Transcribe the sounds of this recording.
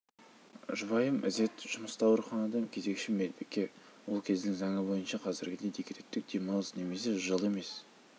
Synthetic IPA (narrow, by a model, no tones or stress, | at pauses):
ʒʊβɑjəmʔɪ̰ze̞t̪ʒ̥ʊməst̪ɑwəɾχɑnɑd̪ɑmkʲʰeze̞kʃɪmelbekʲːe̞ | wo̞lˠkʲʰe̞zd̪ɪŋzɑŋəbo̞jənʃɑqʰɑzɪɾɡʲɪd̪ejd̪ekʲʰet̪ʰɪt̪ːɪk̚d̪e̞mɑlˠəzne̞me̞se̞ʒəlˠe̞me̞s